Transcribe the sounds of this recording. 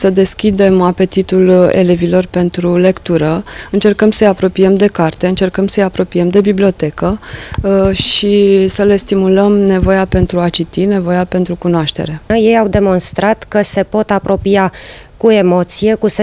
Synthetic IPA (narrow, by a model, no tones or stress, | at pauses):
səd̪e̞skʲid̪e̞mape̞t̪it̪ulḛle̞vilo̞rpe̞nt̪ɾule̞kt̪uɾəɨnt͡ʃe̞rkəmsəjapɾo̞piemd̪e̞kart̪e̞ɨnt͡ʃe̞rkəmsəjapɾo̞piemd̪e̞biblio̞t̪e̞kə | ʃisəle̞st̪imuləmne̞vo̞jape̞nt̪ɾuat͡ʃit̪ine̞vo̞jape̞nt̪ɾukunoaʃt̪e̞̰ɾe̞je̞jawd̪e̞mo̞nst̪ɾat̪kəse̞po̞t̪apɾo̞pia | kue̞mo̞t̪sije̞kuse